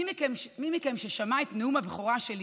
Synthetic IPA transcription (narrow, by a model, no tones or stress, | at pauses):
kemmimikemʃeʃamaet̪neumabeχoʁaʃel